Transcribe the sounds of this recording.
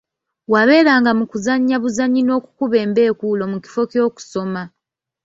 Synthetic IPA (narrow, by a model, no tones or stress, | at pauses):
waβe̞ːɾaːŋɡamukuzaɲːaβuzaɲːino̞ːku̥kuβe̞ːmbe̞ːkuːlo̞muki̥fo̞co̞ːku̥so̞ma